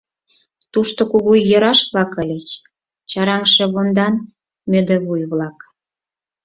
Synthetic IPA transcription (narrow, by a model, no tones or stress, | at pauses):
t̪uʃt̪okuɣujɤ̆ɾɑʃβlɑkə̆lʲet͡ɕ | t͡ɕɑɾɑŋʃĕβond̪ɑn | mød̪ĕβujβlɑk